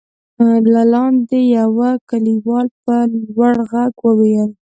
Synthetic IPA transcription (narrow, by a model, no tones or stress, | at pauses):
lalɑnd̪ejawakaliwɑlpəlwaɽɣaɡwəwejəl